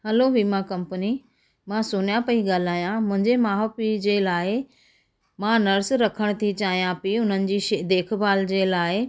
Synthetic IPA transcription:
ɦɐloʋimãkɐ̃mpəni | mãsʊnjapɐiɠaːl̤aːjãmʊ̃ɦɪ̃ɲd͡ʑemaːɦopid͡ʑeːlaːɪ | mãnɐɾsɾɐkʰəɽ̃t̪ʰit͡ɕaːɦijãpiʊn̤ənɪ̆d͡ʑiːʃed̪eːkʰbaːld͡ʑeːlaːɪ

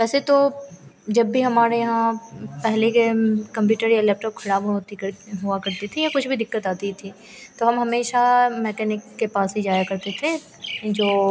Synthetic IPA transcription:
ʋɛːset̪o | d͡ʒɐbːʱiɦɐmaːɾejɐɦãpɛɦlekekɐ̃mpjuːʈəɾjalɛːp̚ʈɔːp̚kʰɐɽaːbt̪iɦuakɐɾt̪it̪ʰijakʊt͡ʃʰbʱid̪ɪkːət̪aːt̪it̪ʰi | t̪oɦɐmɦɐmeːʃamɛːkɛːnɪkːepaːsɦid͡ʒaːjakɐɾt̪et̪ʰe | d͡ʒoː

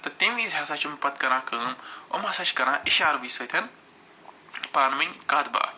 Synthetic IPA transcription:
t̪ɐt̪ẽmiːzɦɐsaːt͡ʃʰumpɐt̪kɐɾãːkəːmomɦɐsaːt͡ʃkɐɾãːʔiʃaːɾbiːsɐːt̪ʲʰɐn | paːnminʲkaːd̪ba̰ːt̪

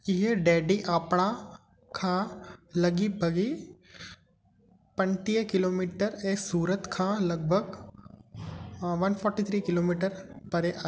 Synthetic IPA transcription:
ɪɦeɖɛːɖiʔaːpɳ̃a | kʰãːlɐɡibʱɐɡi | pɐ̃ɳʈiːəkɪloːmiːʈəɾeːsuːɾət̪kʰãːlɐɡ̚bʱəɡ | ʋɐnpʰɔːɾʈit̪ʰɾiːkɪloːmiːʈəɾpɐɾeʔa

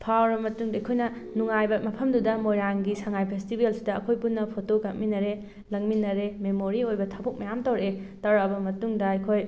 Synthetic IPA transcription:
pʰawɾɐmɐtuŋdɐɐkʰojnɐ | nuŋajbɐmɐpʰɐmdudɐmojɾaŋɡisɐŋajpʰestibelsidɐːkʰojpunːɐpʰotokɐk̚minɐɾe | lɐŋminːɐɾememoɾiojbɐtʰabok̚mɐjamtɐwɾetɐwɾɐbɐmɐtuŋdɐɐjkʰoj

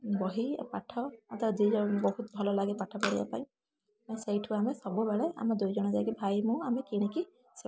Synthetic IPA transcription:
bɔɦḭpaʈʰɔɔt̪aɾd͡ʒid͡ʒɔbɔɦut̪̚bʱɔlɔlaɡipaʈʰɔpɔɽiba̰paĩ | asejʈʰuamesɔbubaɭea̰mad̪ujd͡ʒɔɽ̃ɔd͡ʒajkibʱajmũamekiɽ̃eki | s

